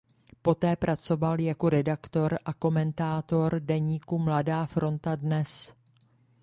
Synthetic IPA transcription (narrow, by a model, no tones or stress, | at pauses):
po̞t̪ɛːpɾʔat͡so̞valjako̞ɾɛdakt̪o̞ɾʔako̞mɛnt̪aːt̪o̞ɾdɛɲiːkumladaːfɾʔo̞nt̪adnɛs